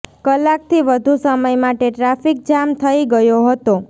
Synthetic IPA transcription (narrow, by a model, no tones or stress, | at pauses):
kəlːak̚t̪ʰiʋəd̪ʱusəməjmaʈeʈɾafik̚d͡ʒamt̪ʰəiɡəjoɦət̪o